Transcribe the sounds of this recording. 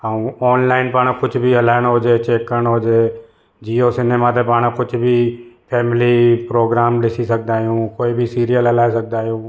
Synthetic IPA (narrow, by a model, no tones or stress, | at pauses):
ɦaːũɔːnlaːɪnpəɳ̃kʊt͡ʃʰbʱiɦɐlaːəɽ̃ɦoːd͡ʒet͡ʃeːkəɳ̃ɦoːd͡ʒeː | d͡ʒiːosɪneːmat̪epaɽ̃kʊt͡ʃʰbʱipʰɛːmɪlipɾoːɡɾaːmlɪsisɐk̚ʰd̪aːɦijũːkoːibʱisiːɾijəlɦɐlaːesɐk̚d̪aːɦijũː